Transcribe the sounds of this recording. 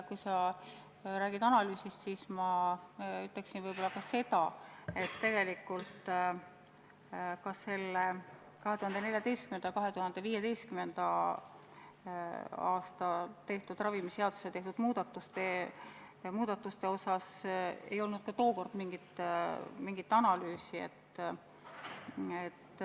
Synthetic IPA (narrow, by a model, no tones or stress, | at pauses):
kujsɑ | ɾæːɡ̥id̪ɑnɑlyːsist̪siːsmɑ | yt̪ːˑeksinvɤjb̥o̞lːɑkɑse̞t̪ɑe̞t̪ːe̞ɡ̥e̞likːˑult̪ˑ | kɑsːe̞lːe | kɑɦet̪uhɑnd̪e̞ne̞ljɑt̪e̞jst̪̚kymenɑjkɑɦe̞t̪uhɑnd̪̥e̞viːjed̪e̞jst̪̚kymend̪̥ɑ | ɑːst̪ɑt̪e̞ht̪ud̪̥rɑvimiseɑd̪̥u̥set̪e̞ht̪ud̪muːd̪̥ɑt̪ːˑust̪e | muːd̪̥ɑt̪ːˑust̪e̞o̞sɑse̞̰jo̞lnud̪̥kɑt̪o̞ːko̞rd̪̥miŋɡ̥it̪ˑmiŋɡ̥it̪ːɑnɑlyːsie̞̰t̪ːˑ | et̪ː